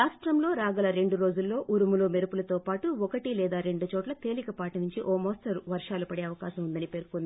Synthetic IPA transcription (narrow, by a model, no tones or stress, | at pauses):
aːsʈɾɐmlo̞ːɾaːɡɐlɐɾe̞ɳɖuɾo̞ːd͡ʒulːo̞ːʔuɾumuloːmeɾupulɐt̪oːpaːʈuɔkɐʈilɛːd̪aːɾe̞ɳɖut͡ʃɔːʈlɐt̪e̞ːlikɐpaːʈɐnuɲt͡ʃiʔɔːmoːsʈɐɾʋɐɾʂaːlupɐɽeːɐʋɐkaːʃɐmund̪ɐnipe̞ːɾkond̪i